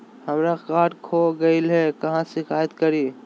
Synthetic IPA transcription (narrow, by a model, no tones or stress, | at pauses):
həmɾakaːʈkʰoɡɐilɦɛkɐɦãsɪkʰaːət̪kəɾiː